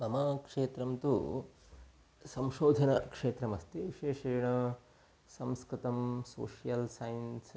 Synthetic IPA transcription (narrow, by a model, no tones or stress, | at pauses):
mɐmaːkʂeːt̪ɾɐmt̪ṵ | sɐmʃoːd̪ʱɐnɐkʂeːt̪ɾɐmɐst̪iʋiʃeːʂɐjɐɳɐ | sɐmskɾɪt̪ɐmso̰ːʂijɐlsajɐns